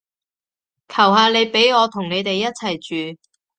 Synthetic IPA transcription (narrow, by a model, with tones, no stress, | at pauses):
kʰɐ˨˩wɦaː˨˧le˨˧jpe˨˥jŋɔː˨˧t̪ʰʊ˨˩ŋne˨˧jt̪e˨jːɐ˥t̚t͡sʰɐ˨˩jt͡ʃyː˨